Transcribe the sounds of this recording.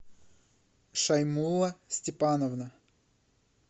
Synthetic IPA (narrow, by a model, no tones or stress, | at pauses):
ʂɐjmulˠɐsʲtʲɪpanəvnə